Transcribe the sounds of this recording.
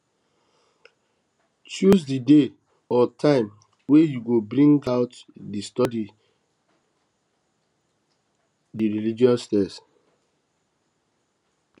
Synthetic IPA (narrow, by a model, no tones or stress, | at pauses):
t͡ʃjusdide | ɔtʰãɪ̃m | wejuɡobɾĩŋɡaʊtdistɔdi | diɾilid͡ʒiɔssːtɛs